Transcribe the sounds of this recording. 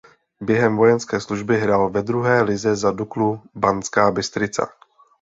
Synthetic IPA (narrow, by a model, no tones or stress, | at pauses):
bjɛɦɛmvo̞jɛnskɛːsluʒbɪɦɾaːlvɛd̪ɾuɦɛːlɪzɛzaduklubant͡skaːbɪst̪ɾɪt͡sa̰